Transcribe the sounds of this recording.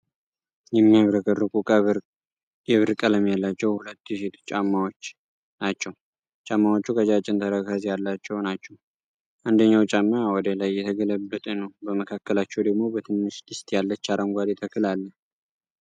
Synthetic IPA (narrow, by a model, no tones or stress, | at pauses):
jɛmːijaβɾəkʼərːɨkʼukʼə | jɛβɨɾkʼələmjalːat͡ʃːɛwhulət̪ːset̪ʰt͡ʃʼamːawot͡ʃː | nat͡ʃːɛw | t͡ʃʼamːawot͡ʃːukʰəd͡ʒat͡ʃʼɪnt̪ʰəɾəkazjalːat͡ʃːɛwnat͡ʃːɛw | ʔand̪əɲːawt͡ʃʼamːawɔd̪əlajːɛt̪ʰəɡələbːət̪ʼənəwbəməkʰakːəlat͡ʃːɛwd̪əɡmo̞bət̪ʰɨnːɨʃt̪ɨst̪ʰʼjalːət͡ʃːaɾəŋɡʷad̪et̪ʰəkʰɨlalːə